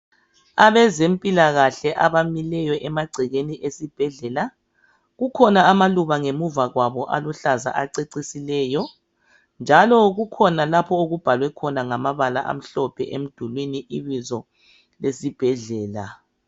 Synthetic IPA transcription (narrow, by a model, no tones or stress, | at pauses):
aβɛzempʼilaɣaɬɛʔaβamilɛjɔʔɛmaɡ͡ǀʱiɣeniʔesib̥ʱɛɮɛla | ɣukʰɔnaːmaluβaŋemuvaɣwaβɔʔa̰luɬaza̰ʔaǀeǀisilɛːjɔ | nd͡ʒʱalɔɣukʰɔnalapʰɔoɣub̥ʱalwɛkʰɔnaŋamaβala̰ʔa̰m̩ɬɔpʰɛ̰ʔem̩d̥ʱulwiniʔiβizɔ | lesib̥ʱɛɮɛːla